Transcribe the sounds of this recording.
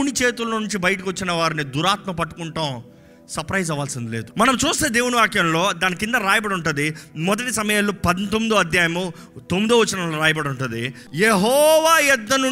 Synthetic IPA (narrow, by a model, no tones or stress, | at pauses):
nit͡ʃe̞ːt̪ulɐɐnuɲt͡ʃibɐjʈ̬ɐkʋot͡ʃːinɐʋaːɾinid̪uɾaːt̪mɐpɐʈːu̥kuɳʈɐ | sɐɾpɾɐjd͡ʒɐʋaːlsind̪ile̞ːd̪umɐnɐmt͡ʃuːst̪eːd̪e̞ːwuniʋaːkjɐmlo̞ːd̪aːnikind̪ɐɾaːjɐbɐɽuɳʈund̪imɔd̪ɐʈisɐmɐjalːupɐd̪int̪omːid̪uɐd̪ʱjaːjɐmu | t̪omːid̪uʋɐt͡ʃːinɐloɾaːjɐbɐɽuɳʈund̪i | jeɦɔːʋaːjɛd̪ːɐnu